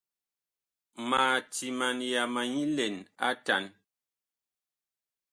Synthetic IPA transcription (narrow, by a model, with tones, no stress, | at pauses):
maː˨ti˨ma˨nja˨ma˨ɲi˦lɛ˨na̰˦ta̰˨˦n